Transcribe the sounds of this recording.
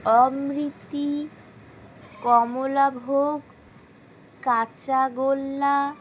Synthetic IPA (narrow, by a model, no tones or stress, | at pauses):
ɔmɾit̪ːi | kɔmolabʱoɡ | kat͡ɕaɡolːa